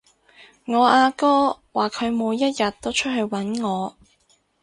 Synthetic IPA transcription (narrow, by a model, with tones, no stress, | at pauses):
ŋɔː˨˧aː˧kɔː˥waː˨kʰɵ˨˧ɥmuː˨˧jːɐ˥t̚jɐ˨t̚t̪ːo˥wt͡ʃʰɵ˥t̚ɦɵ˧ɥwɐ˨˥nŋɔː˨˧